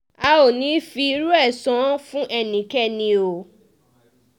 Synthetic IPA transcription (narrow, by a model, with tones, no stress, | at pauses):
a˧o˨nĩ˨˦fi˧i˧ɾu˦ɛ˦˨sɔ̃˨˦fũ˦ʔɛ˦˨nĩ˨kɛ˦˨nĩ˧o˨